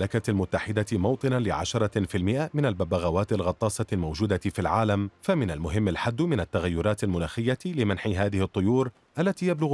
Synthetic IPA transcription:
lakalmʊt̪ːaħɪd̪amɑwt̪ˤɨnalɪ̰ʕa̰ʃɑɾˤɑfilmɪʔamɪnalbabaɣawaːt̪ɪlɣɑt̪ˤːɑːsɑlmawd͡ʒuːd̪afilʕaːlamfamɪnalmʊɦɪmːalħad̪ːmɪnat̪ːaɣajːʊɾˤɑːt̪almʊnaːxɪjːalɪmanħiɦaːðɪhɪt̪ˤːʊjuːɾ | ʔalːat̪iːjablʊɣ

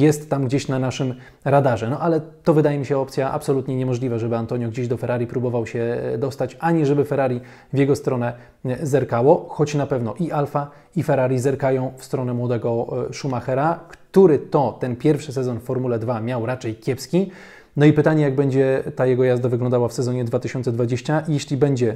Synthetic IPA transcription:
jɛst̪ːamɡd͡ʑeɕnanaʂɘm | ɾad̪aʐɛnɔʔalɛt̪ɔvɘd̪ajɛmʲiɕɛɔpt̪sʲjaʔa̰psɔlut̪ɲɛɲɛmɔʐlʲivaʐɛbɘant̪ɔɲjɔɡd͡ʑeʑd̪ɔfɛɾaɾʲipɾubɔvawɕɛd̪ɔst̪at͡ɕaɲɛʐɛbɘfɛɾaɾʲi | vʲjɛɡɔst̪ɾɔnɛ | zɛɾkawɔxɔt͡ɕnapɛvnɔʔiʔalfa | ifɛɾaɾʲizɛɾkajɔ̃w̃fst̪ɾɔnɛmwɔd̪ɛɡɔʂumaxɛɾakt̪uɾɘt̪ɔt̪ɛnpʲjɛɾfʂɘs̬ɛzɔnffɔɾmulɛd̪vamʲjawɾat͡ʂɛjkʲjɛpskʲi | nɔipɘt̪aɲɛjaɡbɛɲd͡ʑɛt̪ajɛɡɔjazd̪avɘɡlɔnd̪awafsɛzɔɲɛd̪vat̪ɘɕɔnt̪sɛd̪vad͡ʑeɕt͡ɕajɛɕlʲibɛɲd͡ʑɛ

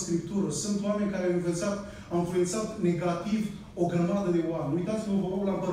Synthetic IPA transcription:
skɾipt̪uɾəsunt̪oame̞nʲkaɾeawinfensat̪ | awĩnfluje̞nt̪sat̪ne̞ɡat̪iv | o̞ɡɾəmad̪əd̪e̞wamenujt̪at̪siməvəloɡlabə

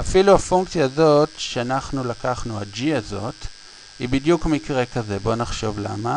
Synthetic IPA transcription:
afiluhafuŋkt͡sjaːzo̞tʃeanaχnulakaχnuad͡ʒiazo̞t | hibidjukmikʁe̞kaze̞bo̞naχʃo̞vla̰ma

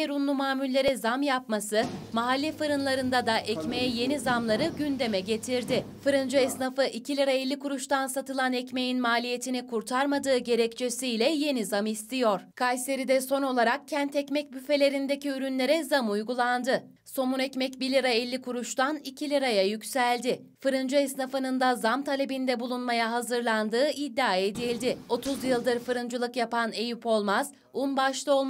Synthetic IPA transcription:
eɾunlˠumaːmylʲːe̞ɾɛzamjap̚masɯmaɦalʲːɛfɯɾɯnlˠaɾɯnd̪ad̪aʔɛcme̞jɛje̞nizamlˠaɾɯɟynd̪e̞mɛɟe̞t̪ʰiɾd̪ɪfɯɾɯnd͡ʒuɛsnafɯʔicʰilʲiɾaɛlʲːikʰuɾuʃt̪ansat̪ɯlˠanɛcme̞jinmaːlʲije̞t̪ʰinikʰuɾt̪ʰaɾmad̪ɯːɟe̞ɾɛct͡ʃʰe̞sijlʲɛje̞nizamist̪ʰijoɾ̥kʰajse̞ɾid̪ɛso̞no̞lˠaɾak̚cʰɛnt̪ɛcmɛc̚byfe̞lʲe̞ɾind̪e̞ciyɾynlʲe̞ɾɛzamujɡulˠand̪ɯ | so̞munɛcmɛcbilʲiɾaɛlʲːikʰuɾuʃt̪ʰanicʰilʲiɾajajycʲsælʲd̪ɪ | fɯɾɯnd͡ʒɯɛsnafɯnɯnd̪azamt̪ʰalʲe̞bind̪ɛbulˠunmajaɦazɯɾlˠand̪ɯːid̪ːaːed̪ilʲd̪ɪo̞t̪ʰuzjɯlˠd̪ɯɾfɯɾɯnd͡ʒɯlˠɯkjapane̞jypo̞lˠmaz̥ | unbaʃlˠɯo̞lˠm

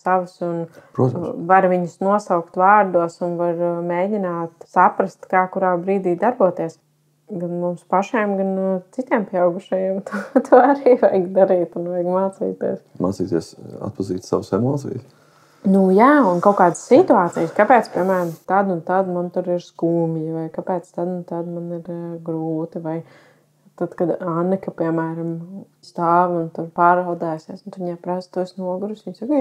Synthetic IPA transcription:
saʋɐsunpɾut̪vaɾʋiɲʊsnuɔsawkt̪ʋaːɾd̪uɔsunvaɾmeːɟʲinaːt̪sapɾɐst̪kaːkuɾaːbɾiːd̪iːd̪aɾbuɔt̪iɛəs | ɡanmumspaʃiɛmɡant̪sit̪iɛmpʲiɛaʊɡuʃɐjeːmt̪ut̪uaɾiːvajɡd̪aɾiːt̪unvajɡmaːt̪sḭːt̪ḭɛsma̰ːt̪sḭːt̪iɛsa̰t̪̚pɐziːt̪sa̰ʋsɛmɔːt̪sḭjs | nujaːunkaʊkaːd̪ssit̪uaːt̪sijskapɛːt̪spʲiɛmæːɾamt̪ad̪unt̪ad̪mant̪uɾɪɾskuːmivajkapɛːt̪st̪ad̪unt̪ad̪maniɾɡɾuːt̪ivaj | t̪ad̪kad̪anːɛkɐpiɛmæːɾam | st̪aːʋunt̪uɾpaːɾald̪ɛːsesunt̪iɲapɾast̪uɔsnuɔɡuɾusiɲsaɡi

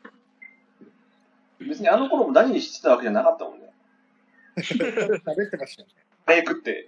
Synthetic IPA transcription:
be̞t͡sɨɲ̟ianoko̞ɾomod̪aɲʲiɲ̟iɕi̥t̪ːe̥t̪aβake̞ʑanakat̪ːamõ̞̰nːe | sabe̞t̪ːemaɕi̥t̪ane | ajakɯ̟t̪ːe̞̰

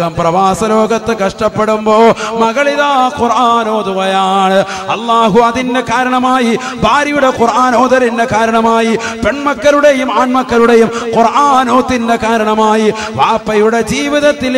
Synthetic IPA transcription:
ɐmprɐʋaːsɐlo̞ːɡɐt̪ːɨkɐʂʈɐpːeɽumbo̞ːmɐɣɐɭiðaːkurʔaːnoːd̪uʋɐjaːɳɨ | ɐlːaːɦuɐðinde̞kaːɾɐɳɐmaːji | bʱaːɾɐjuɽe̞qurʔaːno̞ːðɐɾinde̞kaːɾɐɳɐmaːjipeɳmɐkːɐluɽe̞jumaːnmɐkːɐluɽejumqurʔaːnoːt̪ːinde̞kaːɾɐɳɐmaːji | ʋaːpːɐjuɽe̞d͡ʑiːʋiðɐt̪ːil

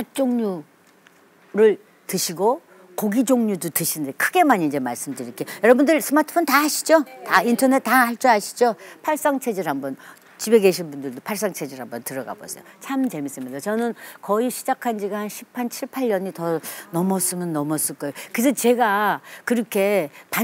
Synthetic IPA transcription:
at͡ɕ͈oŋɲu | ɾɯɭ | tɯɕʰiɡo | koɡid͡ʑoŋɲudutɯɕʰinndekʰɯɡe̞maɲind͡ʑe̞maɭs͈ɯmdɯɾikejʌɾʌbundɯɭsʰɯmatʰɯ̥pʰontahaɕʰi̥d͡ʑotaintʰʌne̞t̚tahaɭt͡ɕ͈uɦaɕʰi̥d͡ʑopʰaɭs͈aŋt͡ɕʰe̞d͡ʑiɾɦambʌn | t͡ɕibe̞ɡeɕʰinbundɯɭdopʰaɭs͈aŋt͡ɕʰe̞d͡ʑeɾɦambʌntɯɾʌɡa̰bo̰sʰḛjot͡ɕʰamt͡ɕe̞mis͈ɯmɲidat͡ɕʌnɯnkʌiɕʰi̥d͡ʑakʰand͡ʑiɡaanɕʰipʰːant͡ɕʰiɭpʰaʎːʌɲitʌnʌmʌs͈ɯmjʌnːʌmʌs͈ɯɭk͈ajokes̬ʰʌt͡ɕe̞ɡakɯɾʌkʰe̞pa

